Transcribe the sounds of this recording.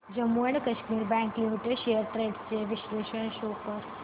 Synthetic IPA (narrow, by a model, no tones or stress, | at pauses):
d͡ʑəmːuəɳ̃kɐʃmiːɾbæ̃ŋklimiʈeɖʃejəɾʈɾeːɖst͡ɕeʋiʃleːʃəɳ̃ʃoːkəɾ